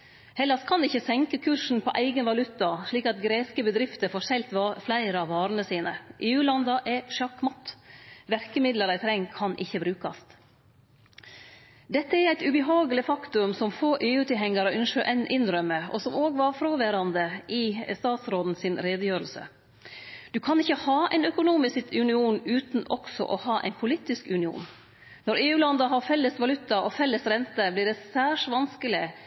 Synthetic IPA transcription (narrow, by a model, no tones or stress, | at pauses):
hɛlːɑskʰɑnɪçːəsɛŋkəkʰʉːʂn̩pʰɔʔæɪɡənʋɑlʉt̪ɑʂɭiːkɑt̪ɡɾeːskəbəd̪ɾɪft̪əɾfoːʂɛlt̪ʋɑflæɪɾəɑʋɑːɾənəsiːnəʔeːʉːlɑnd̪ɑʔɛʂɑkːmɔt̪ːʋæɾkəmɪd̪ləɾæɪt̪ʰɾɛŋkʰɑnʔɪçːəbɾʉːkɑst̪ | d̪ɛt̪ːəæɾæɪt̪ʉbəɦɑːɡəlɪfɑkt̪ʉmsɔmfoːʔeːʉːt̪ʰɪɦɛŋːɑɾəʔʏnʂøːʔɛnʔɪnɾœmːəɔ̰sɔmoːɡʋɑɾfɾoːʋæɾɑnd̪əʔɪst̪ɑːt̪sɾoːd̪n̩sɪnɾeːd̪əjøːɾəlsə̰ | d̪ʉkʰɑnɪçːəhɑːʔæɪnœkʊnuːmɪsʉnɪuːnʉːt̪nʔɔksɔ̰ʔɔhɑːʔɛ̰ɪnpʰʊlit̪ɪskʉnɪṵːn | nɔɾeːʉːlɑnd̪ɑɦɑɾfɛlːəsʋɑlʉt̪ːɑʔɔfɛlːəsɾɛnt̪əblɪɖɛsæːʂʋɑnskəlɪ